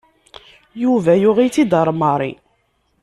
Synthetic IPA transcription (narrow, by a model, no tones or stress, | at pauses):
juvæjʊʁit͡sːid̪əɾˤmɑɾˤḭ